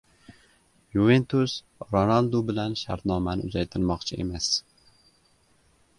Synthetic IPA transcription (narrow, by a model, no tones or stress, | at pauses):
juvent̪ʰus | ɾonalˠd̪ubɪlanʃaɾt̪nɒmanɪ̰ʊzajt̪ʰɪɾmɒqt͡ʃʰɪʔe̞̰mas